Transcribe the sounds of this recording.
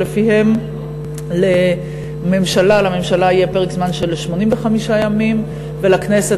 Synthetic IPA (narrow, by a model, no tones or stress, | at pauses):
lefihe̞m | le | me̞mʃalalame̞mʃalaijepeʁekzmanʃe̞lʃmo̞nimveχamiʃajamim | velaknese